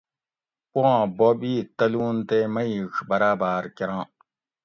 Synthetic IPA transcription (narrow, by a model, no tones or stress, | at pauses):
puãːbobiːt̪ɐluːnt̪emɐjixbɐɾaːbaːɾkiɾãː